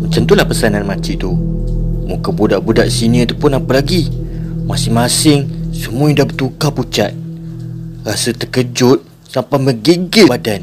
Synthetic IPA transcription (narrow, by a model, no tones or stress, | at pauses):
mət͡ʃamt̪ulahpəsananmãt͡ʃit̪u | mukabudaʔbudaʔsiniat̪apʊnapəlaɡimasɪŋmasɪŋsəmuaindabət̪ukaput͡ʃat̪̚ | rasət̪əkəd͡ʒʊt̪̚ | sampajməɡiɡɪadan